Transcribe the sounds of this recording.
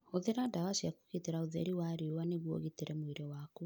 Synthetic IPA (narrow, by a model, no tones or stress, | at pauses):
oðeɾadawaʃiaku̥keteɾaoðɛ̰ɾiwaɾeowaneɣwo̰ɣiteɾɛmoiɾɛwaku